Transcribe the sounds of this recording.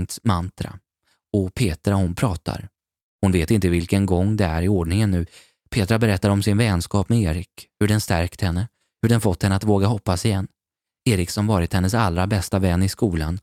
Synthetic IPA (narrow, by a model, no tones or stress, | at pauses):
ŋt̪smant̪ɾa̰ | ɔpʰeːt̪ɾaɔhʊnpʰɾɑːt̪ʰa̰ɾ | hʊnveːt̪ɪnt̪əvɪlkənɡɔŋːd̪ɛæɾɪoːɖɳɪŋənːʉ̟ː | pʰeːt̪ɾabɛɾɛt̪ːaɾɔmsɪnvɛnskɑːpmɛeːɾɪkhɵɖɛnst̪æɾkt̪hɛnːə | hɵɖɛnfɔt̪ʰːhɛnəat̪voːɡahɔpːasɪjɛnː | eːɾɪksɔmvɑːɾɪt̪hɛnːəsalɾabɛst̪avɛnːɪskuːlan